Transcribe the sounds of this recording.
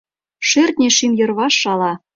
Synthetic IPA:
ʃert̪̚ʲnʲeʃimjɤ̆rβɑʃːɑlɑ

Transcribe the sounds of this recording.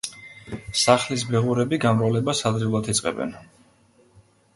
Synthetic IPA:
saχlis̬bɛʁuɾɛbiɡamɾavlɛbasad̪ɾilˠat̪ʰit̪sʼqʼɛ̰bɛ̰n

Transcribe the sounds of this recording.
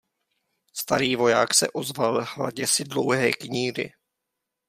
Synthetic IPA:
st̪aɾiːvo̞jaːksɛ̰ʔo̞zvalhla̰ɟɛsɪdlo̞wɦɛ̰ːkɲiːrɪ̰

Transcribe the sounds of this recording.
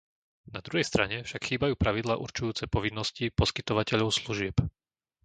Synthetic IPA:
nad̪ɾuɦɛjst̪ɾaɲɛfʃakxiːbajuːpɾaʋid̪laːʔuɾt͡ʃujuːt͡sɛpɔʋinːɔscipɔskit̪ɔʋacɛʎɔʊsluʒɪɛp

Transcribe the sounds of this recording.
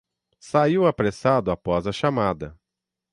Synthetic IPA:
saiwapɾesad̪ʊapɔzɐʃamad̪ɐ

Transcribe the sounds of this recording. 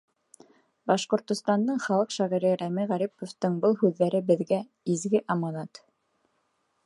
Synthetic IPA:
bɑʃqŏɾt̪ŏst̪ɑnd̪ɤɴχɑlˠɤqʃɑʁiɾɘɾæmiʁæɾipŏft̪ɤɴbɤlˠhʉðːæɾɘbɘ̆ðɡæ | izɡɘʔɑmɑnɑt̪

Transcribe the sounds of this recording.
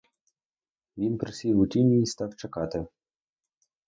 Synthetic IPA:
ʋʲinpɾɪsʲijʋʊtʲinʲijist̪ɑwt͡ʃɐkɑt̪ɪ

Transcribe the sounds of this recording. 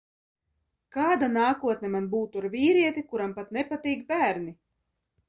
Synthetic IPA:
kaːd̪anaːkuɔt̪nʲɛmanbuːt̪uaɾvʲiːɾiɛt̪ikuɾampat̪nɛpat̪iːkbæːɾni

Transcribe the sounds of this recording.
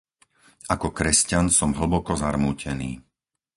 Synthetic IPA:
akɔkɾɛscansɔmɦl̩bɔkɔzaɾmuːcɛnḭː

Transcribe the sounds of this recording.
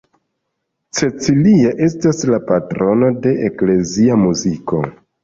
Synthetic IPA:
t͡se̞t͡siliaʔe̞staslapatɾo̞no̞de̞ʔekle̞ziamuziko̞̰

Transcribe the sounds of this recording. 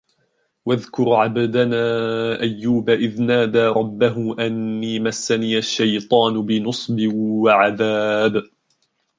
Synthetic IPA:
waðkʊɾʕabd̪anaːʔajːuːbaʔɪðnaːd̪aːɾˤɑbːaɦʊʔanːiːmasːaniːʔaʃːajt̪ˤɑːnʊbɪnʊsˤbɪwaʕaðaːb

